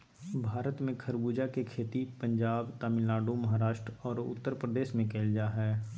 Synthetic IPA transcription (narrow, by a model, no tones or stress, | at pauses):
bʱaːɾət̪mẽkʰəɾbuːd͡ʒakekʰeːt̪ipə̃ɲd͡ʒaːbt̪aːmɪlaːɖomɐɦaɾaːʃʈɾɔːɾʊ̰t̪ːəɾpɾəd̪eːʃmẽkeːld͡ʒaːɦɛː